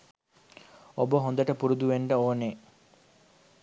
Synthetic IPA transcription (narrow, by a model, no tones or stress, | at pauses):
obəɦond̪əʈəpuɾud̪uʋeɳɖəoːne